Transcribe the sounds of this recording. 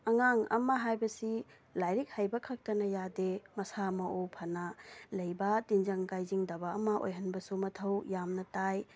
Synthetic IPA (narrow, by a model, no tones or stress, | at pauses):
ɐŋaŋɐ̰mɐɦajbɐsi | lajɾik̚hajbɐkʰɐk̚tɐnɐjademɐsamɐʔopʰɐnalɐjbɐtind͡ʒɐŋɡajziŋdɐbɐɐmɐʔo̰jɦɐnbɐsumɐtʰɐwjamnɐtaj